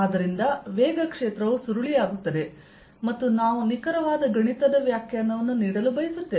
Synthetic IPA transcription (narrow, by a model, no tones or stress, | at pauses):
aːd̪ɐɾind̪ɐʋeːɡɐkʂeːt̪ɾɐʋusuɾuɭijaːɡut̪ːɐd̪e̞ | mɐt̪ːunaːʋunikɐɾɐʋaːd̪ɐɡɐɳit̪ɐd̪ɐʋjaːkʰjanːɐʋɐnːuniːɽɐlubɐjisut̪ːeː